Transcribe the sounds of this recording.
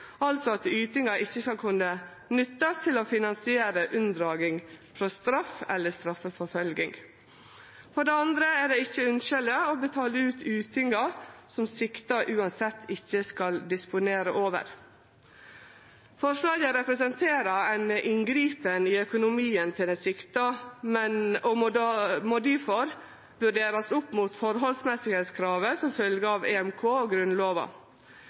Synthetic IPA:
ɑlt̪sɔɑt̪yːt̪ɪŋɑʔɪçːəskɑlkʰʉnːə | nʏt̪ːɑst̪ʰɪloːfɪnɑnsɪeːɾəʔʉnd̪ɾɑːɡɪŋfɾɔst̪ɾɑfːɛlːəst̪ɾɑfəfɔfœlɡɪŋ | fɔɖɛɑnd̪ɾəæɖɛɪçːəʉnʃəlɪəobət̪ʰɑːləʉːt̪ʰʉːt̪ɪŋɑsɔmsɪkt̪əʔʉːɑnsɛt̪ʰːɪçːəskɑld̪ɪspʊneːɾəʔoːʋə̰ɾ | fɔʂlɑːɡəɾɛpɾɛsɛnt̪ʰeːɾɑɛɪnʔɪŋɡɾiːpənɪœkʊnʊmiːənt̪ʰɪld̪ɛsɪkt̪ɑmɛnɔmmoːd̪ifɔɾ | ʋʉɖeːɾɑsʊpːmuːt̪fɔɾɦɔlsmɛsɪɡheːt̪skʰɾɑːʋəsɔmfœlɡəɑʋeːɛmkʰoːoɡɾʉnloːʋɑ̰

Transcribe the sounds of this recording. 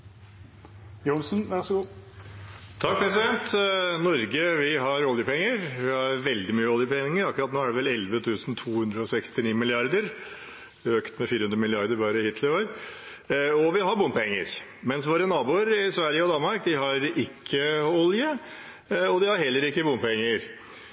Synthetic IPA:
jʊnsn̩ʋæɾsɔɡuː | t̪ʰɑkːpʰɾɛsɪd̪ɛnt̪nɔɾɡəʋɪɦɑɾɔljəpʰɛŋːəɾʋɪhɑɾʋɛld̪ɪmyːəɔljəpʰɛnɪŋəɾɑkːɾɑt̪noːæɖɛʋɛlɛlʋət̪ʰʉːsnt̪ʰuːhʉnd̪ɾəɔsɛkst̪ɪniːmɪlɪɑɾd̪əɾ | øːkt̪mɛfiːɾəhʉnd̪ɾəmɪlɪɑɾd̪əɾbɑːɾəɪhiːt̪ʰlɪoːɾ | ɔʋɪɦɑɾbʊnpʰɛŋːə̰ɾmɛnsʋoːɾənɑːbuːəɾɪsʋæɾjəɔd̪ɑnmɑɾkd̪ɪɦɑɾɪkʰːəɔljə | ɔd̪ɪhɑɾɦɛlːəɾɪkːəbʊnpʰɛŋːəɾ

